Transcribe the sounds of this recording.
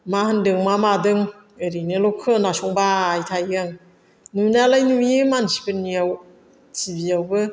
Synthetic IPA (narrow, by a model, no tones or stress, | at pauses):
mahɯndɯŋmamadɯŋ | ɯɾinɯlɔkʰɯnasɔŋbaːjtʰajɡɯŋ | nunalajnuiɯmansi̥bɯnijaw | sibiawbɯ